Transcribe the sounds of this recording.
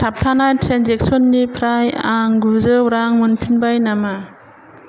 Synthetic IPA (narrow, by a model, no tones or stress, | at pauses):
tʰap̚tʰanajtʰɾanzek̚sɔnːipʰɾajaŋɡuzɯwɾaŋmɯnpʰinbajnama